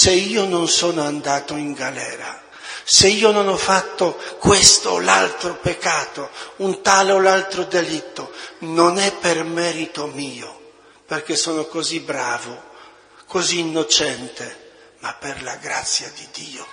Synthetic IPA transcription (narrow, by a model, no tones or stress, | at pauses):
seiːononsɔːnoand̪aːt̪oiŋɡalɛːɾa | seiːononɔfːat̪ːokwest̪o̰la̰lt̪ɾopekːaːt̪ount̪aːleolalt̪ɾod̪elit̪ːononɛpːermɛːɾit̪omiːo | perk̟esɔːnokozibɾaːvo | kʰoziːnːot͡ʃɛnt̪e | mapːerlaɡɾa̰t̪sːjad̪id̪iːo